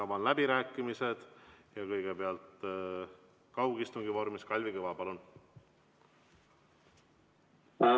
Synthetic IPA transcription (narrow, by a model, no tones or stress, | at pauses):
ɑvɑnlæbiɾæːkːˑimise̞d̪̥jɑkɤjɡ̥ebeɑlt̪ | kɑwɡist̪uŋɡivo̞rmiskɑlʲvikɤvɑpɑlun